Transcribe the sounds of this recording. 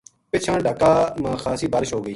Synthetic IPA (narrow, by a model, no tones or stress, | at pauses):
pɪt͡ʃʰãːɖʱəkaːmãːxʰaːsiːbaːɾɪʃɦoːɡəiː